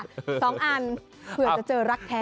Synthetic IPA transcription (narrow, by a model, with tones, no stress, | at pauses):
sɔː˩˦ŋʔaː˧n | pʰɯ˨˩ət͡ɕa˨˩t͡ɕɤː˧ɾa˦˥k̚p̪ʰɛː˦